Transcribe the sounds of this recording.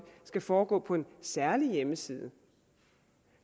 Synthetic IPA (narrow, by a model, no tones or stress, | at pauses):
sɡ̥æfɒːɡ̥ɔ̰ːpʰɒ̽e̝nsæɐlijeməsiːð̞ˠə